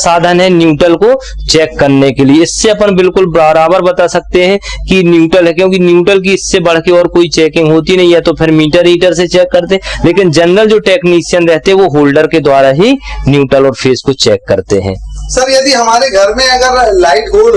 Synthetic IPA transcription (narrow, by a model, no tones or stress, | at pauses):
saːd̪ʱənɦɛ̃njuːʈəlko | t͡ʃɛːkːɐɾnekelieɪsːeɐpənbɪlkʊlbɾaːɾaːbəɾbɐt̪asɐk̚t̪eɦɛ̃kinjuːʈəlɦɛ̃kjõːkinjuːʈəlk̬iɪsːebɐɽ̤keɔːɾkoːit͡ʃɛːkɪ̃ŋɡɦoːt̪inɐɦĩɛt̪opʰɪɾmiːʈəɾiːʈəɾset͡ʃɛːkːɐɾt̪eɦɛ̃leːkɪnd͡ʒɐnɾəld͡ʒoːʈɛːkniːʃijənɾɛɦt̪eɦɛ̃ʋoɦoːlɖəɾked̪waːɾaɦinjuːʈəlɔːɾpʰeːskot͡ʃɛːkːɐɾt̪eɦɛ̰̃ːsɐɾjɐd̪iɦɐmaːɾeɡʱɐɾmẽɐɡəɾlaːɪʈɡoːɖ